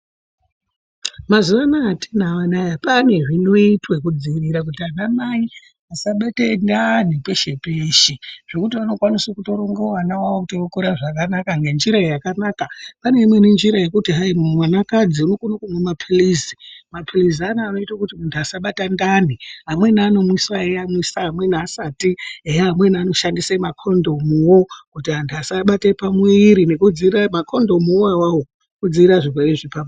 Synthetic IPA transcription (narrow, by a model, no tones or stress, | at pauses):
mazuʋanaːtʰenaʋanajapane̞ʐino̞itwekud͡ziiʋiɾak̬utianamai | asaɓatendanipe̞ʃe̞peʃeʐ̥okutiʋano̞kwaniswakuto̞ɾoŋɡawanawaʋokutookuɾaʐakanakaŋɡe̞nd͡ʒiɾaijakanaːkapane̞imwe̞nend͡ʒiɾaje̞kutiɦaimumwanakad͡ziunokunakumwemapʰilizi̥mapʰilizianaːno̞itakutimundasaɓatandaniɦamwe̞naːno̞mwisaeamwisaɦamwe̞niasatieɦamwe̞nano̞ʃandisemakʰo̞ndo̞muwokutiɦandasaɓatepamwiiɾine̞kud͡ziramakʰo̞ndo̞muwawawo | kud͡ziɾaʐiweeʐipam